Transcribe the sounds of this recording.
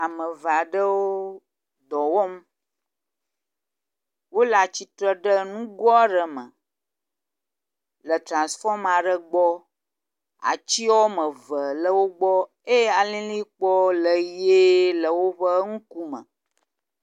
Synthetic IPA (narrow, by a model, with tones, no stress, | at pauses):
a˨mə̃˨va˨ɖə˦wo˦ | d̪ɔ˨wɔ˦m˦ | wo˦la˨t͡ɕi˦t̪ɾə˦ɖə˦nũ˦ɡɔ˦a˦ɖə˨mə̰̃˨ | lə˨t̪ɾã˨nsfɔ˦ma˨ɖə˦ɡ͡bɔ˦ | a̰˨t͡ɕi˦wɔ˦mə̃˨və˨lə˦wo˦ɡ͡bɔ˦ | e˦ja˨lĩ˦li˦k͡pɔ˦lə˨je˦lə˨wo˦ɸə˦ŋũ˦ku˦mə̰̃˨